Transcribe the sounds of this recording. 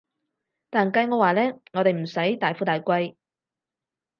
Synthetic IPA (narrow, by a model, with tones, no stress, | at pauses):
t̪aː˨˩nkɐ˧jŋɔː˨˧waː˨lɛː˥ŋɔ˨˧t̪e˨˩m̩˨˩sɐ˨˥jt̪aː˨jfuː˨˥t̪aː˨jkʷɐ˧j